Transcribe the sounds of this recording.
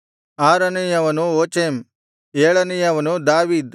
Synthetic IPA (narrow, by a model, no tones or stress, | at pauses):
aːɾɐnijɐʋɐnuoːt͡ʃeːm | eːɭɐnijɐʋɐnud̪aːʋiːd̪